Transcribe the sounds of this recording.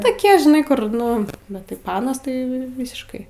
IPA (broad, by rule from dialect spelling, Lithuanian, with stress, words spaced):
toːˈkʲiɛ ʒʲɪˈnɐɪ ˈkʊr ˈnʊ bʲɛt tɐɪ ˈpɑːnɐs tɐɪ ˈʋʲiːsʲɪʃkɐɪ